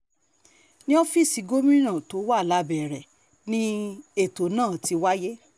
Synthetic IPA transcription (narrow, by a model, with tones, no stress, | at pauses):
nĩ˦ɔ˦fi˦˨si˨˦ɡo˦mĩ˦nã˦˨to˨˦wa˦˨la˦bɛ˨ɾɛ˨ | nĩ˦e˦˨to˨˦nãː˦˨ti˧wa˦je˦